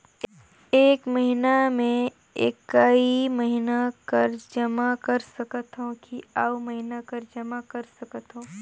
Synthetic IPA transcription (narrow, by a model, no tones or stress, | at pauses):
eːkməɦinamẽ | ḛkaiimɐɦinakɐɾd͡ʒɐmakɐɾsɐkət̪ɦõkiaːmɐɦɪnakɐɾd͡ʒɐmakɐɾsɐkət̪ɦõː